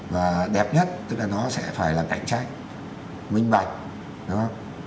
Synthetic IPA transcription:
vaː˨˩ɗɛ˨˩p̚ɲə˦˥t̚t̪ɨ˦˥k̚laː˨˩nɔ˨˦sɛ̰˧˥faː˧˩jlaː˨˩ka̰˧˩˨jŋ̟t͡ɕaː˦˧˥k̚ | mï˧ŋ̟ɓa˨˩jk̚ | ɗʊ˨˦ŋ͡mhə˧wŋ͡m

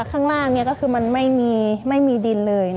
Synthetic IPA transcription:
kʰaː˥˩ŋlaː˥˩ŋni˧˥˨kɔː˥˩kʰɯː˧ma˧nma˥˩jmiː˧ma˥˩jmiː˧di˧nlɤː˧j

